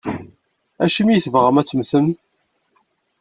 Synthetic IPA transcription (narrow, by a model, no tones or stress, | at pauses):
æʃəmijθvʁəmæsəmθəm